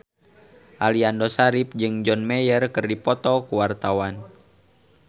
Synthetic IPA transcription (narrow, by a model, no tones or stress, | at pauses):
ʔaliandosaɾip̚d͡ʒɨŋd͡ʒɔnmɛjərkɨrdipɔt̪ɔkuwart̪awan